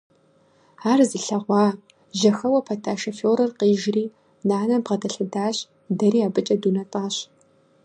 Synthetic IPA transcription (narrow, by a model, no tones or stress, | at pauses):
aːrzɨɬɐʁʷɑː | ʒɐxɐwɐpʰɐtʰaːʃɐfoːɾɐrqiːʒriː | naːnɐbʁɐdɐɬɨdaːɕ | dɐɾiːaːbɨt͡ʃʼɐduːnɐtʼaːɕ